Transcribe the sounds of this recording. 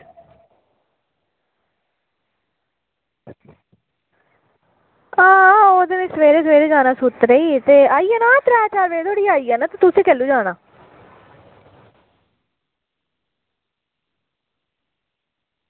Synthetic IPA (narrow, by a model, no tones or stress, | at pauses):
aːoːd̪enãːsəʋeːɾeːsʋeːɾeːd͡ʒaːnãːsʊt̪ɾeːit̪eːaːiːɛːnaːt̪ɾɛːt͡ʃaːɾʋeːt̪ʰoːɽiːaːiːaːnaːt̪at̪ʊsẽːkɛːlːuːd͡ʒaːɽaː